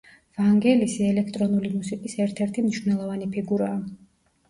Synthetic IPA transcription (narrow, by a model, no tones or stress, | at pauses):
vaŋɡɛlisiɛlɛkʰt̪ʼɾɔnulimusikʼisɛɾt̪ʰɛɾt̪ʰimniʃvnɛlˠɔvanipʰiɡuɾaː